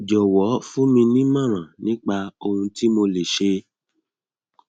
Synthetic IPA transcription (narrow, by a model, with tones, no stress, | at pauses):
d͡ʒɔ˨wɔ˨˦fũ˦mĩ˧nĩ˦mã˦˨ɾ̃ã˨nĩ˦k͡pa˧o˧hũ˧ti˦mo˧le˨ʃe˧